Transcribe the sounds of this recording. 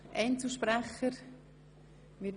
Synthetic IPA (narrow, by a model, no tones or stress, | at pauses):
ʔɛ̰ɪnt͡suʃpɾæχəɾ | mɪ